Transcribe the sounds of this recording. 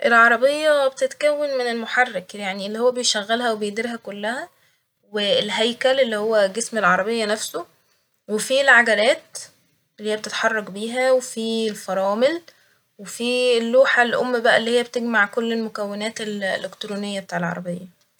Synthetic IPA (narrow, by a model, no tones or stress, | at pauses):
ʔelʕɑɾˤɑbejːɑbet̪et̪kæwːenmenelmoħɑrːekjaʕnielːihowːæbejʃæɣːælɦæwebejd̪iɾɦækolːæhæ | welɦæjkælelːihowːæɡesmelʕɑɾˤɑbejːɑnæfso | wefilʕaɡælæːt̪ | lːhijːb̚et̪et̪ħɑrˤːɑɡbiːɦæwefielfɑɾˤɑːmel | wefilːuːħalʔo̰mːbæʔælːiːhejːæbet̪eɡmaʕkolːelmokæwːenæːt̪elḛlekt̪ɾuːnejːæbet̪aːʕelʕɑ̰ɾˤɑbejːɑ